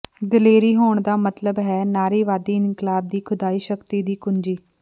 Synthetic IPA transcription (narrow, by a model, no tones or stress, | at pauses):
d̪əleːɾiːɦoːɳd̪aːmət̪ləbɦɛːnaːɾiːʋaːd̪iːɪnkɪlaːb̚d̪iːkʰʊd̪aːiːʃəkt̪iːd̪iːkʊɲd͡ʒiː